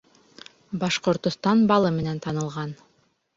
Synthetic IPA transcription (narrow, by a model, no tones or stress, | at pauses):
bɑʃqoɾt̪ŏst̪ɑnbɑlˠɯmenent̪ʰɑnɯlˠʁɑn